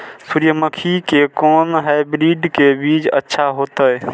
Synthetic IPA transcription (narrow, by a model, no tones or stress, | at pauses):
suɾjəməkʰikekɔːnɦabɾiɖkebid͡ʒə̰tːʃʰaɦot̪əj